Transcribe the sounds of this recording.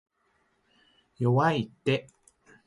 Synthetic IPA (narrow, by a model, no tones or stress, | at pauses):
jowait̪eʔ